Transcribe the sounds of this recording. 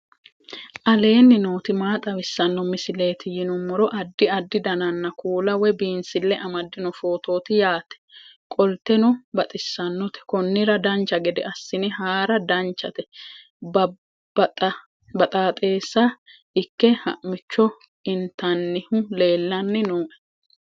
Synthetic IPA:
ʔɐle̞ːnːɪnoːt̪ɪmaːt̪ʼɐwɪsːɐnːɔmɪsɪle̞ːt̪ɪjɪnʊmːɔɾɔʔɐd̪ːɪɐd̪ːɪd̪ɐnɐnːɐkʰuːlɐwɛbiːnsɪlːɛʔɐmɐd̪ːɪnɔfo̞ːt̪o̞ːt̪ɪjaːt̪ɛ̥kʼɔlt̪ɛnɔbɐt̪ʼɪsːɐnːɔt̪ɛ̥kɔnːɪɾɐd̪ɐnt͡ʃːɐɡɛd̪ɛ̰ɐsːɪnɪɦaːɾɐd̪ɐnt͡ʃːɐt̪ɛ | b | b̪ʼɐ | bɐt̪ʼaːt̪ʼe̞ːsːa | ɪkːɛhɐ̰ʔmɪt͡ʃːɔ | ɪnt̪ɐnːɪhʊle̞ːlːɐnːɪnoːʔɛ̥

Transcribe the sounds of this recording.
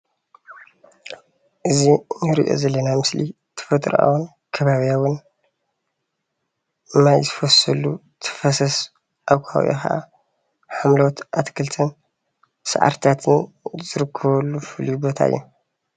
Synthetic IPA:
ʔɨzinɨɾiʔo̞̰zɐlːɐnamɨsli | t̪ʰɐ̥fɐt̪ʼɾʔa̰wun | kʰɐβaβijawʊn | ɨmːajzɨfɐsɐlu | t̪ʰɐ̥fɐsɐs | ʔaβkʷʰa̰w̰ʔo̰kɐʔa̰ | ħamlot̪ʔat̪kʰɨlt̪ʰɨn | sɐ̰ʕa̰ɾt̪ʰat̪ʰɨn | zɨɾɨkʰːɐβɐlːufɨljubo̞t̪ʰa̰ɨ̰jːu

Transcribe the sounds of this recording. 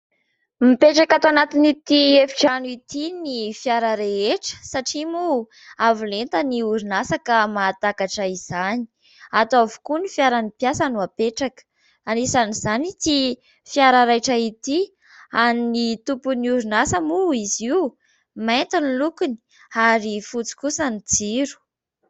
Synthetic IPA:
mipeʈ͡ʂakat̪oanat̪init̪iefi̥ʈ͡ʂanuit̪inifjaɾəɾeeʈ͡ʂə̥saʈ͡ʂimu | avulent̪əniuɾinasakamat̪akaʈ͡ʂaiz̥ani̥ | at̪uavu̥kunifjaɾanipijasanuapeʈ͡ʂakə̥ | anisaniz̥anit̪i | fjaɾaɾajʈ͡ʂait̪i | aninit̪upuniuɾunasəmuiziu | ment̪inilukuni̥ | aɾifut͡si̥kusənid͡ziɾu̥

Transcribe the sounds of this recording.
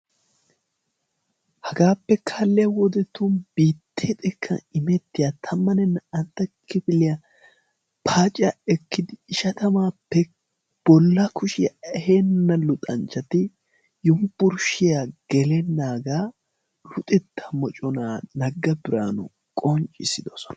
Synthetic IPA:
hɐɡaːpːɛkʰɐlːɪjɐwɔd̪ɛt̪ːunbiːt̪ːet̪ʼɛkʰːɐ̰ɪmɛt̪ːɪjat̪ʰɐmːɐnɛnːɐɐnt̪ːɐkʰɪfɪlɪjɐ | pʰaːt͡ʃʼɪaɛkːɪd̪ɪːʃɐt̪ɐmaːpːɛ | b̥ɔlːɐkʰʊʃɪjɐɛhenːɐlʊt̪ʼɐnt͡ʃːɐt̪ɪ | jʊmbʊɾʃɪjaɡ̥ɛlɛnːaːɡaː | lʊt̪ʼɛt̪ːɐmɔt͡ʃʼɔnaːnɐɡːɐbɪɾa̰ːnʊ̰ | kʼɔnt͡ʃʼɪsɪd̪ɔsɔ̥nɐ

